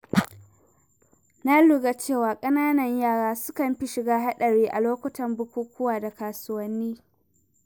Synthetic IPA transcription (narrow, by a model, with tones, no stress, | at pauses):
na˦lʊ˨ɡa˨t͡ʃeː˦˨waː˨kʼɐ˦naː˦nɐ˨ɲjaː˦˨ɽaː˦sʊ˦kɐ˨mɸi˦ʃɪ˨ɡaː˦ɦa˦ɗɐ˨ɽeː˦ʔa˨loː˦kʷʊ˦tɐ˨mbʊ˦kʷuː˦kʷʊ˦waː˨da˨kaː˨sʊ˦wɐ˦nːiː˦